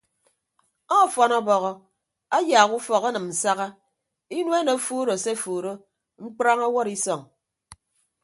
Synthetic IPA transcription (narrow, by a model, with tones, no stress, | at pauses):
ɔ˦˨fɔ˨nɔ˦bɔ˨ɣɔ˨ | a˦jaː˨ɣu˦fɔ˨ka˦nɨ˨mn̩˨sa˦ɣa˦ | i˦nwe˦no˨˦fuː˦ɾo˨se˦fuː˨ɾo˦ | ŋ͡m̩˦k͡pɾa˦ŋɔ˦wɔ˦ɾi˦sɔ˨ŋ